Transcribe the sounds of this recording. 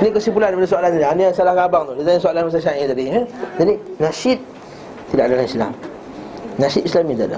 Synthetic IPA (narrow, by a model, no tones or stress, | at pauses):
nĩkəsipulandaipadasoalanaaniasalahkabaŋt̪odit̪ãsoalanmas̬aʃaĩt̪adiəd͡ʒadinaʃit̪̚ | t̪idaʔadalanisla̰m | naʃit̪islamĩt̪idaʔda̰